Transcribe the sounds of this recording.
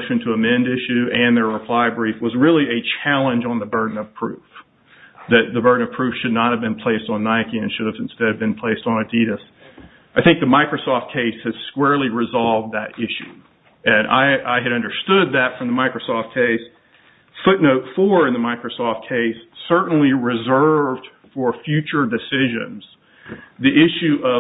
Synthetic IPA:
ʃɨ̃ntʰəəmɛ̃ndɪʃʉɨ̃nðə˞ɹəpʰl̥aɪbɹifwʌzɹɪlˠiɨt͡ʃʰælˠə̃nd͡ʒn̩ðəbɜ˞dⁿn̩ʌpʰɹ̥ʉf | ðɨt̪̚ðɨbɜ˞dⁿn̩ʌ̥pʰɹ̥ʉfʃɨdⁿnət̚hɨvbɨ̃npʰl̥eɪstn̩naɪkiɨ̃nʃʊɾɨvɨ̃n̩stɛɾɨvbɨ̃npʰl̥eɪstn̩ɨdiɾɨs | aɪθɪ̃ŋk̚ðɨmaɪkɹosɔft̚kʰeɪshɨz̥skwɛɹlˠiɹɨzɑlˠvðɨɾɪʃʉ̰ | ɨ̃nʔa̰ɪʔa̰ɪɨɾʌ̃ndə˞stʊd̪̚ðɨtfɹʌ̃mðəmaɪkɹoʊsɔft̚kʰeɪs | fʊtⁿnoʊtfə˞ɨ̃nðəmaɪkɹosɔft̚kʰeɪsːɜ˞ʔn̩liɹɨzɜ˞vd̥ | fə˞fjʉt͡ʃə˞dɨsɪʒɨ̰̃nz̥ | ðiʔɪʃʉʔʌ

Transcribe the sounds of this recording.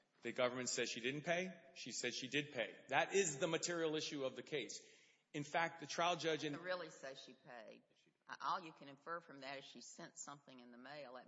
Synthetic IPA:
ðɨɡʌvə˞mɨ̃ntsɛd̥ʃidɪdⁿn̩pʰeɪʃisɛd̥ʃidɨd̚pʰeɪðɨɾɪzðɨmɨtʰɪɹil̩ˠɪʃʉʌvðɨkʰeɪs | ɨ̃nfæk̚t̪̚ðɨtʰɹ̥aɪlˠd͡ʒʌd͡ʒɨ̃nɹɪlˠise̥ʃipʰeɪd̥̚ | ʔɔlˠjɨkʰɨ̃nɨ̃ɱfɜ˞fɹʌ̃mðɨɾɨz̥ʃi̥sɛ̃ntsʌ̃mθɪ̃ŋɨ̃nðəmeɪlˠ

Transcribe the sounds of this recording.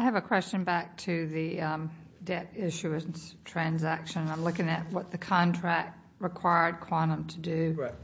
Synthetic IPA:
aɪɨvɨkʰw̥ɛst͡ʃɨ̃nbæk̚tʰɨðɨ̃ | dɛɾɪʃʉɨnz̥tʰɹ̥æ̃nzækʃɨ̃nə̃nãɪ̃mlʊkɪ̃ŋɨt̚wʌt̪̚ðɨkʰɑ̃ntʰɹ̥æk̚t̚ɹɨkʰw̥aɪə˞d̚kʰw̥ɑnə̃mtʰɨdʉ

